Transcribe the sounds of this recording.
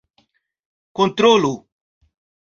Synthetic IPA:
kõnt̪ɾolʊ

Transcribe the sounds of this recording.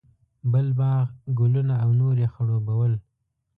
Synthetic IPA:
bəlbɑɣɡʊlunaːwnoɾexaɽobawəl

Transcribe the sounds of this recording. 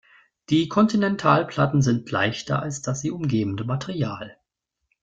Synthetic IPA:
d̥iːkʰɔntinɛntʰaːlpʰl̥atn̩zɪntʰla̰ɪçtɐ̰ʔa̰lsd̥asz̥iːʔʊmɡeːbn̩dəmatʰeʁiaːl

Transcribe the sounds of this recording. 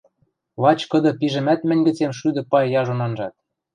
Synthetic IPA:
lɑt͡ɕkɤ̆d̪ɤ̆piʒɘ̆mæt̪mɘ̆nʲɡɘ̆t͡semʃyd̪ɤ̆pɑjjɑʒonɑnʒɑt̪̚

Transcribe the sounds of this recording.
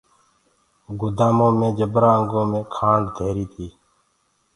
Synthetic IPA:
ɡʊd̪aːmõːmẽːd͡ʒəbɾaːəŋɡõːmẽːkʰãːnd̪d̪ʱeːɾiːt̪ʰiː

